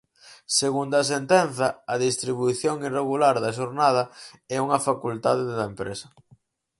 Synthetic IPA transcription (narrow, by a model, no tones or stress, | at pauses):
seɣund̪ɐs̬ent̪ɛnθɐɐðist̪ɾiβujθjoŋireɣulaɾðɐʃ̬oɾnað̞ɐɛuŋɐfakult̪aðeððɐempɾḛsɐ